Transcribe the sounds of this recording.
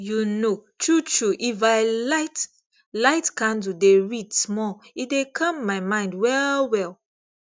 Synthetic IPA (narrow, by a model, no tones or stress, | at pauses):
junotʰɹutɹuʔifaɪlaɪt | laɪtkãndudeɹitsmɔidekʰʌ̃mːaɪmãɪ̃ndwɛlwɛl